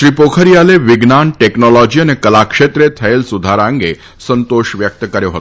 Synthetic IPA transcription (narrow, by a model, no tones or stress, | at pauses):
ʃɾipokʰəɾijaleʋiɡnanʈeknɔlɔd͡ʒiənekəlakʂet̪ɾet̪ʰɐelsud̪ʱaɾãŋɡe | sənt̪oʃʋjək̚t̪əkəɾjoɦə̰t̪